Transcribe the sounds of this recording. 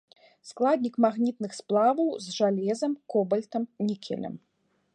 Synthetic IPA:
sklˠad̪ʲnʲikmaɣnʲit̪nɨxsplˠavɐwzʐalʲɛzɐmkɔbɐlʲt̪ɐmnʲikʲʰɛ̰lʲɐ̰m

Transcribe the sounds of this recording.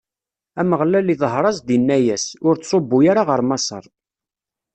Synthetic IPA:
æməʁlæliðˤɦɾˤɑzd̪inːæjæsʊɾt͡sːsˤobːʊjaɾaʁəɾˤmɑsˤə̰ɾˤ

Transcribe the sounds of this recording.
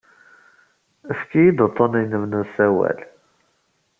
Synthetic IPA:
əfkijid̪ət̪ˤːənijnəvnusæwæ̰l

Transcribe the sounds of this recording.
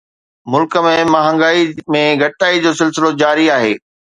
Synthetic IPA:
mʊlkə̆mẽmaɦə̃ŋɡaːimẽɡʱɐʈaːid͡ʑoːsɪlsɪlod͡ʑaːɾiaːɦeː

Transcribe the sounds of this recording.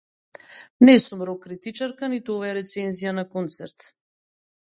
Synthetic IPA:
nɛsumɾɔkɾit̪it͡ʃaɾkanit̪uovajaɾɛt̪sɛnzijanakɔnt̪sɛɾt̪

